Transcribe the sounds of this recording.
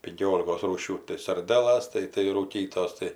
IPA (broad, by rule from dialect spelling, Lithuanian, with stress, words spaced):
pʲɪŋʲˈkʲoːlʲɪkoːs ˈruːʃʲuː tɐɪ sɐrʲˈdʲæːlˠɐs ˈtɐɪ tɐɪ ruːˈkʲiːtoːs ˈtɐɪ